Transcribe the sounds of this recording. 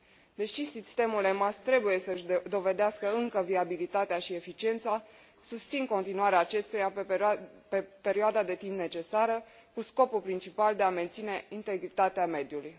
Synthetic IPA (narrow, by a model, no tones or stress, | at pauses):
d̪e̞ʃisist̪e̞mulemast̪ɾe̞buje̞səɨʃʲd̪o̞ve̞d̪easkəɨŋkəviabilit̪at̪eaʃie̞fit͡ʃie̞nt̪sa | sust̪sinko̞nt̪inuaɾeaːt͡ʃe̞st̪uja | epe̞ɾioad̪ad̪e̞t̪impne̞t͡ʃe̞saɾə | kusko̞pulpɾint͡ʃipald̪e̞ame̞nt̪sine̞int̪e̞ɡɾit̪at̪eame̞d̪juluj